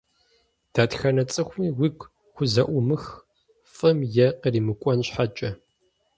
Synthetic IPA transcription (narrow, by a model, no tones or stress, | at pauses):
d̥aːtxɐnɐt͡sʼɨxʷmiːwikʷ | xʷʊzɐʔʷʊmɨx | fʼɐmjɛqəriːmɨkʷʼɔnɕħat͡ʃʼɐ